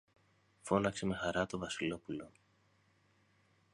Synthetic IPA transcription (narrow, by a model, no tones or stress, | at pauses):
fo̞nɐkse̞me̞xɐɾɐt̪o̞vɐsilo̞pulo̞